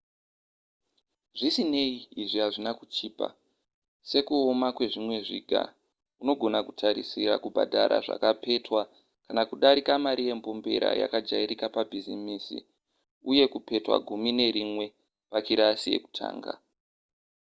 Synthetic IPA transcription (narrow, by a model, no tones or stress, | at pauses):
ʐisine̞iːʐiɦaʐinakut͡ʃiːpa̰ | se̞kuo̞makwe̞ʐimwe̞ʐiːɡʱa̰ | uno̞ɡʱo̞nakutʰaɾisiɾa̰kubʱa̰dʱaɾa̰ʐa̰kape̞twa | kanakuɗaɾikamaɾije̞mpo̞mbe̞ɾa̰ja̰kad͡ʒaiɾikapabʱizimiːsḭ | uje̞kupe̞twa̰ɡʱumine̞ɾimwe̞ | pakiɾasije̞̰ku̥tʰa̰ːŋɡa̰